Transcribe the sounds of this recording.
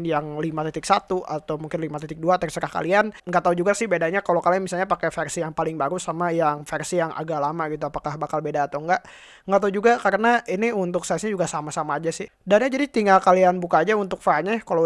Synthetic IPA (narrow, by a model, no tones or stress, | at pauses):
jaŋlimat̪it̪ɪksat̪uʔat̪awmuŋkɪnlimat̪it̪ɪk̚duat̪ərsəɾahka̰lianŋɡaʔt̪aud͡ʒuɡasɪhbedaɲakalokalamisalɲapakɛfɛrsijaŋpalɪŋbaɾusamajaŋfɛrsijaŋʔa̰ɡalamaɡit̪̬uapakahbakalbedaːt̪awŋɡaʔ | ŋɡaʔt̪aud͡ʒuɡakaɾənaʔiniunt̪ʊksasɲad͡ʒuɡasamasamaːd͡ʒasɪhdanɲad͡ʒadit̪iŋɡalkalianbukaːd͡ʒaunt̪ʊk̚faɲakalo